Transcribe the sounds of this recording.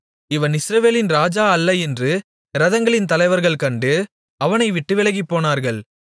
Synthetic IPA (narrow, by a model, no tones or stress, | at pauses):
ɪʋɐnɪsɾɐʋeːlɪnɾaːd͡ʒaːɐlːɐɛndrɯ | ɾɐðɐŋɡɐɭɪnt̪ɐlɐɪʋɐɾɣɐɭkɐɳɖɯ | ɐʋɐnɐɪʋɪʈːɯʋɪlɐɣipːoːnaːɾɣɐɭ